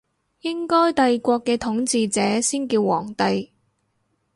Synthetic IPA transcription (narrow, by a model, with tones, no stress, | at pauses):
jɪ˥ŋkɔː˥jt̪ɐ˨jkʷɔː˧kːɛː˧t̪ʰʊ˨˥ŋt͡siː˧t͡sɛː˨˥siː˥nkiː˧wːɔ̰ː˨˩ŋt̪ɐ˨j